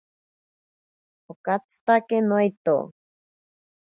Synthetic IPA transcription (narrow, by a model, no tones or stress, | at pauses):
okat͡sɨ̥t̪akenojt̪o̰